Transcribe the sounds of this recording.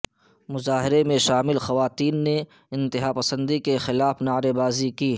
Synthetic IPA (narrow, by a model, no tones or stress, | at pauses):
mʊzaːɦɪɾemẽʃaːmɪlxɐʋaːt̪iːnːe | ɪ̃nt̪ɪɦaːpɐsə̃nd̪ikexɪlaːfnaːɾebaːzikiː